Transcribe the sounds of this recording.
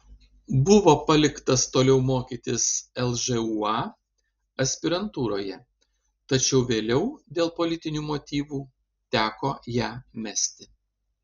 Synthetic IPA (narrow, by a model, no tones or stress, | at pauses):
bʊʋoːpɐlʲɪkt̪ɐst̪oːlʲɛʊmoːkʲiːt̪ʲɪsɛlˠʒɛuːɑ | ɐsʲpʲɪɾɐnt̪uːɾoːjɛ | t̪ɐt͡ʃʲɛʊʋʲeːlʲɛʊd̪ʲeːlˠpolʲɪt̪ʲɪnʲuːmoːt̪ʲiːʋuː | t̪ʲæːkoːjæːmʲæsʲt̪ʲɪ